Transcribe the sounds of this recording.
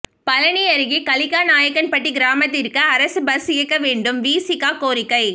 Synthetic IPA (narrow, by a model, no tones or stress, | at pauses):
pɐlɐɳiɐɾɯɣikɐlɪkːaːnaːjɐkːɐnpɐʈːiɡɪɾaːmɐt̪̬ːɪɾɯkːɐːɾɐsɯbɐsɪjɐkːɐʋeːɳɖɯmʋiːsɪkːaːkoːɾɪkːɐɪ